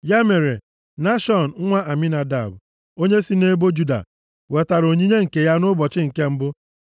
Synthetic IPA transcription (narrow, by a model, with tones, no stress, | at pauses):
ja˦me˨ɾe˨ | na˦ʃɔ˨n̩˨˦ŋʷa˦ʔa˨mi˦na˨da˨b | o˦ɲe˦si˦ne˦bo˦d͡ʒu˦da̰˨ | we˨ta˨ɾo˨ɲi˦ɲe˦ŋ̩˨ke˨ja˦nʊ˦bɔ˨t͡ʃɪ˦ŋ̩˨ke˦m̩˦bʊ˦